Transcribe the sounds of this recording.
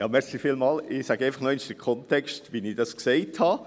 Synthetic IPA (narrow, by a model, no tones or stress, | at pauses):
jɑːmɛɾslifiːlmɑːlɪsæɡ̥eɪfɑχnoɪnʃd̥əkʰɔntɛkstʋinid̥ɑskseɪthɑ